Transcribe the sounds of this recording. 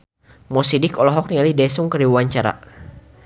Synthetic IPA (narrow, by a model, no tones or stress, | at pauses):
mɔsidɪkɔlɔɦɔk̚nialidɛsʊŋkərdiwuaɲt͡ʃaɾa̰